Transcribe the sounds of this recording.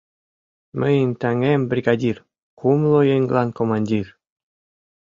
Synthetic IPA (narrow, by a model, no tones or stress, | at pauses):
məjənʲt̪æŋembrʲiɡɑdʲir | kumlojeŋɡlɑnkomɑnʲdʲir